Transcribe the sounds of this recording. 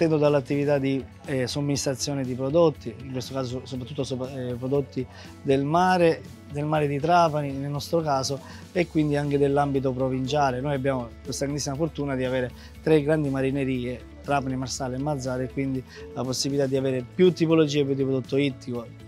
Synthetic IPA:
t̪ːɛnd̪od̪alːat̪ːivit̪ad̪i | somːinist̪ɾat̪sːjoːned̪ipɾod̪ot̪ʰːiiŋkwest̪okaːs̬oosopɾat̪ːut̪ːosopɾod̪ot̪ːi | d̪elmaːɾe | d̪elmaːɾed̪it̪ɾaːpaninelnɔst̪ɾokaːso | ekːwind̪iaŋk̟ed̪elːambit̪̬opɾovint͡ʃaːlenoːjabːjaːmokost̪aɡɾand̪isːimafort̪uːnad̪iaveːɾe | t̪ɾeɡɾand̪imaɾineɾiːe | t̪ɾaːpanimarsaːleemːad̪zːaːɾekwind̪i | laposːibilit̪ad̪ːiaveːɾepjut̪ːipolod͡ʒiːep̬ːjud̪ːipɾod̪ot̪ːoit̪ːiko

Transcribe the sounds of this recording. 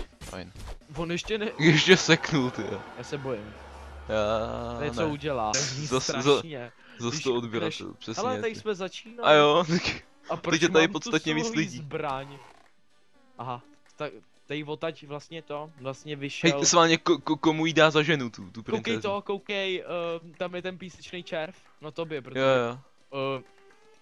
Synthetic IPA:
fa̰jnvonjɛʃcɛnɛɛʃɛsɛknult̪ɪajaːsɛbojɪmjaːnouɟɛlaːzaszaɲɛ | zast̪oodbɪɾat̪ɛ̰lpr̥ɛsɲɛɛt̪asmɛzat͡ʃinaajot̪ak | aatɾɛɛt̪aɪpott͡sst̪at̪ɲɛviːt͡st͡slɪzɟiːbɾaɲ | ʔaɦa | t̪a | t̪ajvot̪acvlast̪ɲɛt̪ovlast̪ɲɛvɪʃɛɛlsmaːlɲɛkokokomujidaːzaʒɛnut̪ut̪upɾownkɛjɛst̪okowkɛjt̪amjɛt̪ɛnpiːsɛt͡ʃnejt͡ʃɛɾf | nat̪objɛpɾojoja

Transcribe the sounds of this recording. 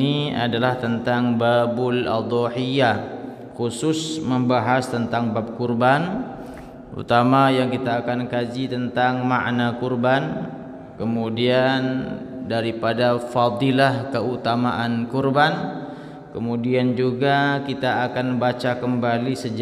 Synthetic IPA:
nia̰dalaht̪ənt̪aŋbabʊla̰d̪ˤɔħija | kusʊsməmbaɦast̪ənt̪aŋbap̚kurban | ṵt̪amajaŋkit̪aːkankad͡ʒit̪ənt̪aŋma̰ʔnakurban | kəmudian | daɾipadafɑd̪ilahkəut̪amaʔankurban | kəmudiand͡ʒuɡakit̪aːkanbat͡ʃakəmbalisəd͡ʒ

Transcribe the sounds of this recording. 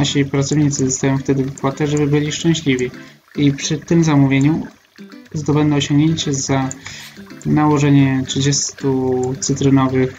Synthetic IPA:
naɕipɾat̪sɔvɲit̪sɘzɔst̪ajɔ̃w̃ft̪ɛd̪ɘvɘkwat̪ɛʐɛbɘbɘlʲiʂt͡ʂɛ̃w̃ɕlʲivʲi | ipʂɘt̪ɘmzamuvʲjeɲu | zɔd̪ɔbɛnd̪ɛɔɕɔ̃ŋɡɲeɲt͡ɕɛza | nawɔʐɛɲɛtʂɘd͡ʑɛst̪ut̪sɘt̪ɾɘnɔvɘx

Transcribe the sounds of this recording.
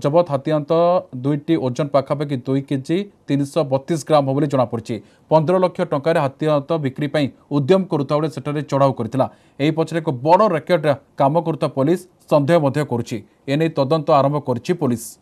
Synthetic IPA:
d͡ʒɔbɔt̪ɦat̪iant̪ɔd̪ujʈiod͡ʒɔnpakʰapak̬id̪ujkid͡ʒit̪inisɔbɔt̪ːis̬ɡɾamɦɔbɔlid͡ʒɔɽ̃apɔɾit͡ʃʰi | pɔnd̪ʱɔɾɔlɔkʰjɔʈɔŋkaɾeɦat̪iant̪ɔbikɾipaĩ | ud̪jɔmɔkɔɾut̪ʰawɭeseʈʰaɾet͡ʃɔɽawkɔɾit̪ʰila | eipɔt͡ʃʰɔɾekubɔɽɔɾekɔɖekamɔkɔɾut̪ʰapolisːɔnd̪ʱejɔmɔd̪ʱjɔkɔɾut͡ʃʰi | enejt̪ɔd̪ɔnt̪ɔaɾɔmbʱɔkɔɾit͡ʃʰipulis

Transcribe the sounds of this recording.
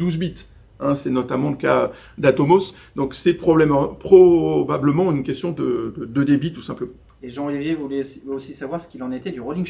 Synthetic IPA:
d̪uzbit̪ | ɛ̃sɛnɔt̪amɑ̃ləkaø | d̪at̪ɔmos | d̪ɔ̃ksɛpχɔblɛmpχɔbabləmɑ̃ynkʲɛst̪jɔ̃d̪əd̪əd̪əd̪ebit̪u̥sɛ̃pləmɑ̃ | eʒɑ̃ʁivjevulɛosisavwaʁsə̥kʲilɑ̃net̪ɛd̪yʁolĩŋ

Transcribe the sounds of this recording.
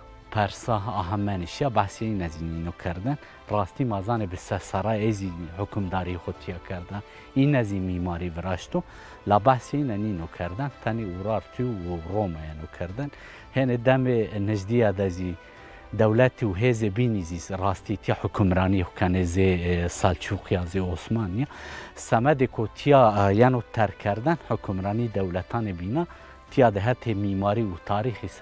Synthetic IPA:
pʰɛɾsɑɦɑɦɛmɛniʃijɑbaħseinɛzininokʰɨɾd̪ɨn | rɑːst̪imɑzɑːnebɨsɛsɑɾɑːjeziħʊkʰʊmd̪ɑːɾiexʷot̪ʰijɛkʰɨɾd̪a | iːnɛzimimɑːɾivɨɾɑʃt̪u | lɑbaħseinɛniːnokʰɛɾd̪ɨnt̪ʰɛneuɾɑːɾt̪ʰiuromɑjɛnokʰɨɾd̪ɨn | hened̪ɛmenɨʒd̪ijɑd̪ɛʒi | d̪ɛwlɛt̪ʰeuɦeːzebinizisrɑːst̪it̪ʰijɑħʊkʰʊmɾɑːnihkʰɛnezesɑlt͡ʃʰuqʰijɑzeoːsmɑːnijɑsɛmɛd̪ekʰot̪ʰijɑjɛnot̪ʰɛɾkʰɛɾd̪ɨnħʊkʰʊmɾɑːnid̪ɛwlɛt̪ʰɑːnebinɑ | t̪ʰijɑd̪əɦɛt̪ʰemimɑːɾiut̪ʰɑːɾiːxis

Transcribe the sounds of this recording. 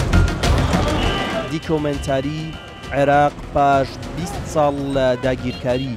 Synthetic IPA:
d̪ikʰoment̪ʰaːɾi | ʕeɾɑːqpaːʃbist̪sˤɑːlːɐd̪aːɡiːɾkʰaːɾiː

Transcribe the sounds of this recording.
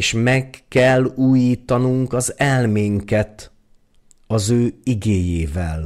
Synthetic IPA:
ʃmɛkːɛlːuːjiːt̪ɒnuŋkɒzɛlmeːŋkɛt̪ | ɒzøːiɡeːjeːvɛl

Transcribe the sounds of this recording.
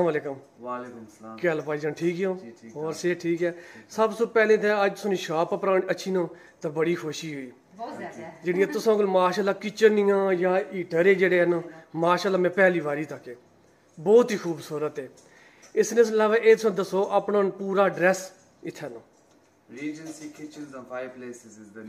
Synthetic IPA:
saːmaːleːkəm | kɛːlpaːiːd͡ʒãːnʈʰiːkɦjõːɔːɾseːʈʰiːkɛːsəbsʊpɛːlẽːt̪ʰɛːəd͡ʒt̪ʊsõːniːʃaːpəpɾãːnəːʃʰiːnãː | t̪ãːbəɽiːkʰoʃiːɦoːiː | d͡ʒɪɽĩːãːt̪ʊsãːkəlmaːʃaːlːaːkɪt͡ʃənɪjãːjaːiːʈəɾeːd͡ʒeːɽeːənmaːʃaːlːaːmɛ̃ːpɛːliːʋaːɾiːt̪əkeː | bɔːt̪ɦiːkʰuːbsuːɾət̪ɛː | ɪsneːslaːʋaːʔeːt̪ʊsãːd̪əsoːʔaːpnaːnpuːɾaːɖɾɛːs | ɪt̪ʰːɛːnãː | iːd͡ʒkɪt͡ʃleː

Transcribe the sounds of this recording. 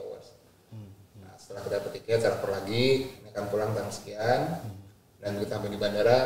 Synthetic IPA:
awa̰s | na̰sə̥t̪əlahkidapət̪ikɛt͡ʃaɾapərlaɡiniakanpulaŋt̪aɾŋsə̥kian | dankit̪aampadibandaɾa

